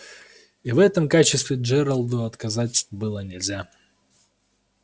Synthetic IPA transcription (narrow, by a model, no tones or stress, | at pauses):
ivɛt̪əmkat͡ɕɪst̪vʲɪʐɛɾɐlˠd̪ʊɐt̪kɐzatʲʂt̪obɨlˠənʲɪlʲzʲa